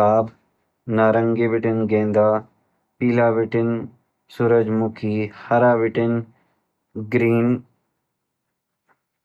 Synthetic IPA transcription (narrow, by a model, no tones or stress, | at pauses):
aːb | naːɾəŋɡeːʋɪʈɪnɡẽːnd̪aː | piːlaːʋɪʈɪn | suɾəd͡ʒmʊkʰiːhɐɾaːʋɪʈɪn | ɡɾiːn